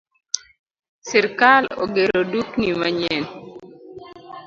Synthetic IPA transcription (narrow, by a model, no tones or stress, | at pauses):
sɪɾkalo̰ɡeɾoduknimaɲen